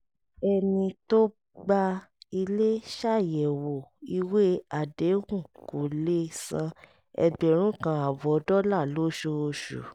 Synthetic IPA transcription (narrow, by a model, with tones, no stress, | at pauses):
ɛ˧nĩ˧to˦ | ɡ͡ba˧i˧le˦ʃa˦˨jɛ˨wo˨i˧we˦a˨de˨˦hũ˦˨ko˨le˦sã˧ | ɛ̰˧bɛ˨ɾ̃ũ˨˦kã˧a˨bɔ˨˦dɔ˦la˦˨lo˦ʃo˧ʃṵ˨